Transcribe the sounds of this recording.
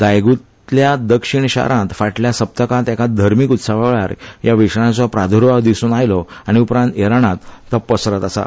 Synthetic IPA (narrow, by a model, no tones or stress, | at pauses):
d̪ajɡut̪ | ljad̪əkʂiɳɕa̰ɾʔãnt̪faʈljasəp̚t̪əkãt̪ɛkad̪ʱəɾmikut̪saʋaɭa̰ɾjaʋiʂɳ̃ãt͡sɔpɾad̪ʱoɾʋad̪isuːnajlɔaɽ̃iupɾãnt̪eɾaɽ̃ãt̪ːəpːəsɾət̪asa̰